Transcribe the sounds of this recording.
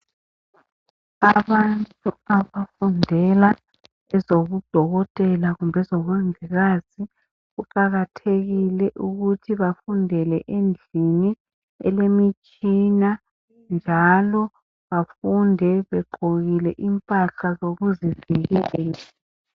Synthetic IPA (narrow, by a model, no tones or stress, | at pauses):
aβantʼuaβafundʱɛla | ɛzoɣud̥ʱɔɣɔtʼɛlaɣumbʱɛzɔβaŋiɣaːzi | ɣuǃaɣatʰeɣilɛʔuɣutʰiβafundʱɛlɛʔend͡ɮʱini | ɛ̰lemit͡ʃʼina | nd͡ʒʱalɔ | βafundʱɛβɛǃʱoɣilɛʔimpʼaɬazoɣuziviɣɛːla